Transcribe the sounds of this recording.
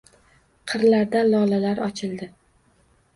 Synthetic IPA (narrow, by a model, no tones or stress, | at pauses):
qʰɨɾlaɾd̪alɒlalaɾɒt͡ʃʰɪld̪ɪ